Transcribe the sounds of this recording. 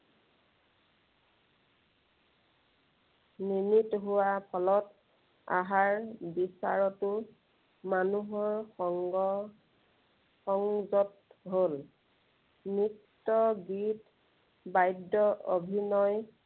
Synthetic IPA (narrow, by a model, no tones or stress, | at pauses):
nimitɦʊwapʰɔlɔt | a̰ɦaɹbisa̰ɹɔtʊ | manuɦɔɹɔŋɡɔ | xɔŋzɔt̚ | ɦol | mitːɔɡit | bajdːɔʔo̰bʱinɔj